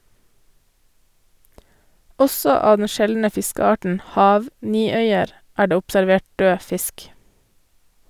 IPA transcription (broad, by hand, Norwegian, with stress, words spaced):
ˈɔsɔ ˈɑː ˈdɛn ˈʃɛlnə ˈfɪskəˌɑːʈn̩ ˈhɑːʋ ˈniːˌœʏəɾ ˈæː ˈɖeː ʊpsæɾˈʋeːʈ ˈdøː ˈfɪsk